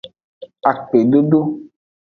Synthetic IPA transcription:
a˨k͡pe˨ɖo˦ɖo˦

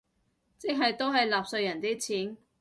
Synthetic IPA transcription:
t͡sɪ˨˥k̚ɦɐ˨jt̪o˥wɦɐ˨jlaː˨p̚sɵ˧ɥjɐ˨˩nt̪iː˥t͡sʰiː˨˥n

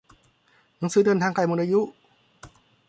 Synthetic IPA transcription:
nɨ˧˥˦ŋsɯː˧˦˥dɤː˧nt̪ʰaː˧ŋka˧˩jmoː˧nʔa˧ju˦˥ʔ

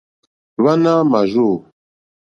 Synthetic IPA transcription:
βa˦na˦ma˨ʒu˦˨

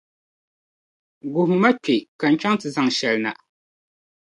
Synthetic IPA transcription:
ɡʊ˨ɦʊ˨ma˦pe˨ka˨n̩˦t͡ʃa˦ŋ˦tɨ˨za˨ŋʃɛ˨lɨ˦na̰˨

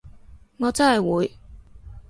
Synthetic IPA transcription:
ŋɔː˨˧t͡sɐ˥nhɐ˨˩jwuː˨˧j

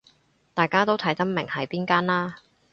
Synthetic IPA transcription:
t̪aː˨jkaː˥t̪o˥wt̪ʰɐ˨˥jt͡sɐ˥nmɪ˨˩ŋhɐ˨˩jpiː˥nkaː˥nlaː˥

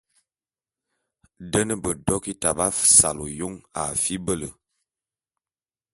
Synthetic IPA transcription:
də˦nə˦bə˨dɔ˦ki˦ta˨ba˦sa̰˨lo˨jo˦ŋa̰˨fi˦bə˦lə˨

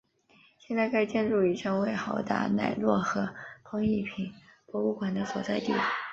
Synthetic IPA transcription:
ɕjɛ˥˧nt͡sa˥˧ɪka˥˧ɪt͡ɕjɛ˥˧nʈ͡ʂu˥˩i˨˩ʈ͡ʂʰɤ˥ŋwe˥˩ɪxɑ˧˥ʊt̪a̰˥˩na̰˥˩ɪlwɔ˥˩xɤ˧˥pʰɤ˧˥ŋi˥˩pʰi˨˧˩npwɔ˧˥u˥˩kwa˨˩nd̪ə˦swɔ˨˩t͡sa˥˧ɪt̪ḭ˥˩

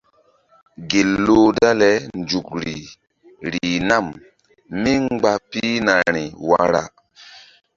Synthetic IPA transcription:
ɡe˨lːo˦da˦lɛ˨˦nd͡ʒu˨k̚ɾi˨ | ɾi˨na˦˨m | mi˦ɡ͡ba˦pi˦na˨ɾi˨wa̰˨ɾa̰˨

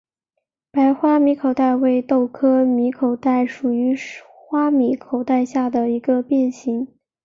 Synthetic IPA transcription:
pa˧˥ɪxwa˥mi˧˥kʰo˨˩ʊt̪a˥˧ɪwe˥˧ɪt̪o˥˩ʊkʰɤ˥mi˧˥kʰo˨˩ʊt̪a˥˩ɪʂu˨˩y˧˥ | xwa˥mi˧˥kʰo˨˩ʊt̪a˥˧ɪɕja˥˩d̪ə˩i˧˥ɡə˧pjɛ˥˩nɕi˧˥ŋ

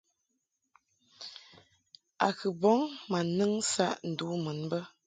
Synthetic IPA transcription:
a̰˨kɨ˨bɔ˨˦ŋma˨nɨ˦ŋsa˦ʔn̩˨du˨˦mə˨˦nbə˦

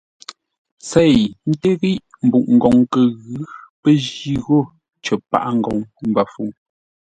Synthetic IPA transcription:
sɛ˦˨jn̩˦te˦ɣi˦ʔm̩˨bu˨ʔŋ̩˨ɡɔ˨ŋkə˨ɣʉ˨˦pə˦ʒi˦ɣo˦˨ | t͡ʃə˨pa̰˦ʔa˦ŋ̩˨ɡɔ̰˨ŋm̩˦ba˨fu˦˨ŋ

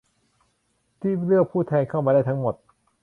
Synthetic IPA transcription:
t̪ʰiː˥˩lɯ˥˩ək̚pʰuː˥˩t̪ʰɛː˧nkʰa˥˩wma˧da˥˩jt̪ʰa˦˥ŋmo˨˩t̪̚

